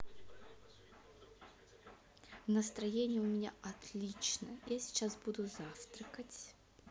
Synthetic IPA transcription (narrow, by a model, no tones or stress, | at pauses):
vnəst̪ɾɐjenʲɪjəʊmʲɪnʲa̰ʔɐt̪lʲit͡ɕnəjasʲɪ̥t͡ɕːasbud̪ʊzaft̪ɾəkətʲ